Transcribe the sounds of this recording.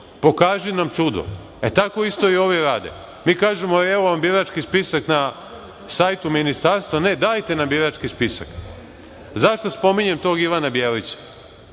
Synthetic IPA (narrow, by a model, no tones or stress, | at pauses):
po̞kaːʒinamt͡ʃud̪o̰ | et̪ako̞ist̪o̞io̞ʋeɾaːd̪ḛ | miːkaːʒemoɛʋoʋambiɾat͡ʃkispisakna | sajt̪uminist̪aːɾst̪ʋane̞d̪aːjt̪e̞nambiɾat͡ʃkispisa̰k | zaʃt̪ospo̞miɲemt̪oːɡiʋanabjeːlit͡ɕḁ